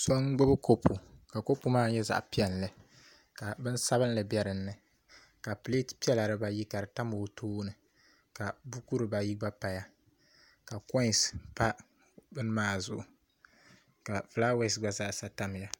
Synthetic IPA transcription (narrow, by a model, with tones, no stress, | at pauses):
so˦ŋ˦ɡ͡bʊ˦bɨ˦ko˦pʰu˨ka˨ko˦pːu˦maː˦ɲɛ˦za̰˨ʔpi˦ɛ˨n˨lɨ˨ | ka˨bɨ˦n˦sa˦bɨ˦n˦lɨ˨bjɛ˦ɾɨ˨n̩ːɨ˨ | ka˨ple˦tpi˦ɛ˦la˨ɾɨ˨ba˦ji˦ka˨ɾɨ˨ta˦mo˨tʰuː˦nɨ˨ | ka˨bu˦ku˦ɾɨ˨ba˨ji˦ɡ͡ba˦pa˨ja˦ | ka˨kɔ˦˨spa˦ | bɨ˦n˦maː˦˨zʊ˨ʔʊ˨ | ka˨fla˦wɛ˦˨sɡ͡ba˨za˦ʔsa˦ta˦m˨ja˨